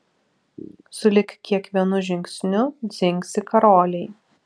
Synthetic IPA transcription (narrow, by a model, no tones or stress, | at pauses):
sʊlʲɪkkʲiɛkʋʲiɛnʊʒʲɪŋʲksʲnʲʊd̪zʲɪŋʲksʲɪkɐɾoːlʲɛɪ